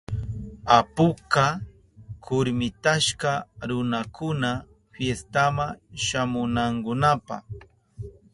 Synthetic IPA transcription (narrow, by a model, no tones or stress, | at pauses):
apʊka | kʰʊɾmɪt̪aʃkaɾʊnakʊna | fjest̪amaŋʃamʊnaŋkʊnapɑ̰χ